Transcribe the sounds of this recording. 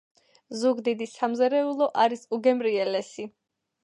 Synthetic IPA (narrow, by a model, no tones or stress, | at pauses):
zuɡd̪id̪isamzɛɾɛulˠɔʔaɾisuɡɛmɾiɛlɛsi